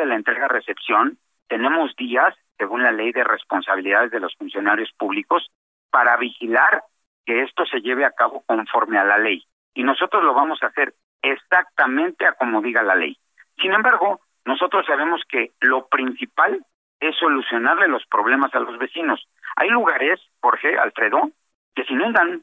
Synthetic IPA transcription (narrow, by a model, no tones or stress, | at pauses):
elaent̪ɾeɣare̞se̞psjo̞n | t̪e̞nẽ̞mo̞zðiasːe̞ɣunlale̞jðe̞re̞spo̞nsaβ̞iliðaðe̞zðe̞lo̞sfunsjo̞naɾjo̞spuβliko̞s | paɾaβixilaɾ | ke̞e̞st̪o̞se̞ʝe̞β̞e̞akaβo̞ko̞ɱfo̞ɾme̞alale̞j | ino̞so̞t̪ɾo̞zlo̞β̞amo̞sase̞ɾ | esak̚t̪amẽ̞nt̪e̞ako̞mo̞ðiɣalale̞̰j | sine̞mbaɾɣo̞ | no̞so̞t̪ɾo̞sːaβ̞e̞mo̞ske̞lo̞pɾinsipal | e̞sːo̞lusjo̞naɾle̞lo̞spɾo̞βle̞masalo̞zβe̞sino̞s | a̰jluɣaɾe̞s | xo̞ɾxe̞ʔa̰lfɾe̞ðo̞ | ke̞seinũnd̪an